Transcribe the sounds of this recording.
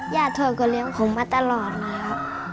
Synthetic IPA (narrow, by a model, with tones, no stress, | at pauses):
jaː˧˩t̪ʰu˧˩˨kɔ˧˩li˧˦ə˨ŋkʰɔ˨˦ŋmaː˧˥t̪a˧˨lɔː˨˩t̪̚laː˧˩ja˧˦